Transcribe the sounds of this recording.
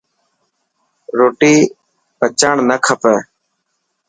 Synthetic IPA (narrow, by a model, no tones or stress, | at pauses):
ɾoːʈiː | pət͡ʃaːɳnəkʰəpɛː